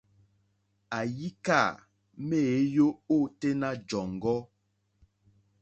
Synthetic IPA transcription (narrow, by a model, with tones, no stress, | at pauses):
a˨ji˦ka˦˨ | me˦˨e˨˦jo˦o˦˨te˦na˦d͡ʒɔ˨ŋɡɔ˦